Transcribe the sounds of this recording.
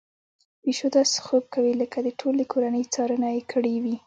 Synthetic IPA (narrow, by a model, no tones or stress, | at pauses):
peʃod̪ɑsxob̚kawiləkad̪əʈʰolekʰoɾanəjt͡sɑɾanajekʰəɽewi